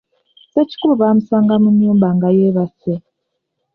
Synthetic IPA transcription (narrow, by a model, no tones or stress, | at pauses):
seci̥kuluβaːmusaːŋɡamuɲːuːmbaŋɡajeβase